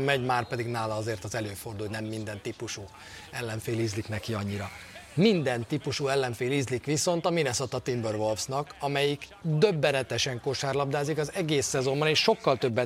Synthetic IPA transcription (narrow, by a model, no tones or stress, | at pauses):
mɛɟmaːrpɛd̪iɡnaːlɒɒzeːrt̪ɒzɛløːfo̞rd̪ulnɛmːind̪ɛnt̪ipuʃuː | ɛlːɛɱfeːlizliknɛkiɒɲːiɾɒmind̪ɛnt̪ipuʃuɛlːɛɱfeːlizlikʋiso̞nt̪ɒminɛsɒt̪ɒt̪imbørvo̞lfsnɒkɒmɛjikd̪ø̞bːɛnɛt̪ɛʃɛŋkoʃaːrlɒbd̪aːzikɒzɛɡeːsːɛzo̞mbɒneːʃʃo̞kːɒlt̪ø̞bːɛ